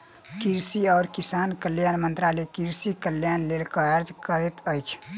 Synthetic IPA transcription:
kiɾsiɔːɾkisankəljanmənt̪ɾalekiɾsikəljanlelkəəɾd͡ʒkəɾɛt̪əjt͡ʃʰ

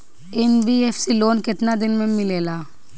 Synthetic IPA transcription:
ɛmbiefʰsiloːnkɪt̪nad̪ɪnmẽmɪleːlaː

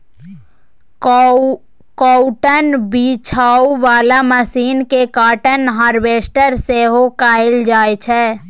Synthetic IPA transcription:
kɔːʊʈənbit͡ʃʰaːuʋaːlaməsiːnkekaːʈənɦaːɾʋeːsʈəɾseɦokaːɪld͡ʒaːet͡ʃʰɛː

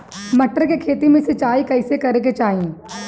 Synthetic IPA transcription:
mɐʈːəɾkekʰeːt̪imẽset͡ʃaːikɐɪsekɐɾeket͡ʃaːɦĩː

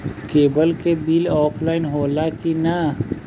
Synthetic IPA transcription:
keːbəlkebiːlɔːpʰlaːɪnɦoːlakina

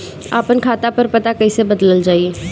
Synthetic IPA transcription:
a̰ːpənkʰaːt̪apɐɾpɐt̪akɐɦisebɐd̪ləld͡ʒaːieː

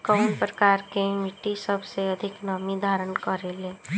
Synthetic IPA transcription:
kaʊnpɾəkaːɾkemiʈisəbʱseəd̪ʱɪknaːmid̪ʱaːɾənkəɾeleː

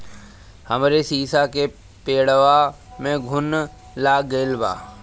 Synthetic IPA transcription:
həmɾesiːsake | peːɽəʋa | mẽɡʱʊn | laːɡəɪlba̰ː

